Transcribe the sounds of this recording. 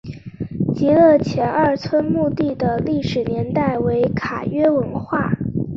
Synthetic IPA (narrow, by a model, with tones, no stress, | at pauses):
t͡ɕi˧˥lɤ˥˩t͡ɕʰjɛ˧˥nʔɐ˞˥˩t͡sʰwə˥nmu˥˧t̪i˥˩d̪ə˩li˥˩ʂɻ̩˨˩njɛ˧˥nt̪a˥˩ɪwe˧˥ɪkʰa̰˨˩ɥɛ˥wə˧˥nxwa˥˩